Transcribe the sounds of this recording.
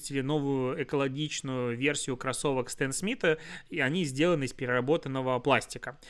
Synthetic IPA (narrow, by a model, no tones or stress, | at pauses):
tʲɪlʲɪno̞vʊjʊɛkəlˠɐɡʲit͡ɕnʊjʊvʲe̞rsʲɪjʊkɾɐso̞vəkst̪ɛnsmʲit̪əiɐnʲizʲdʲe̞lˠənɨɪspʲɪɾʲɪrɐbo̞t̪ənːəvəplˠasʲtʲɪkə